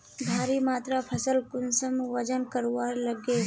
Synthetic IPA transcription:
bʱaːɾimaːt̪ɾapʰɐsəlkʊnsəmʋɐd͡ʒənkɐɾowaːɾlɐɡe

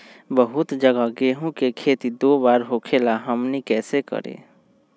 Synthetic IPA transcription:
bəɦʊt̪d͡ʒəɡaɡeːɦõkekʰeːt̪id̪oːbaːɾɦoːkʰelaɦəmnikɛːsekə̰ɾḛː

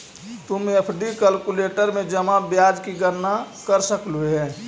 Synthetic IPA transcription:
t̪ʊməpʰɖikəlkuleʈəɾmẽd͡ʒəmabjad͡ʒkiɡəɾnakəɾsəkluɦɛː

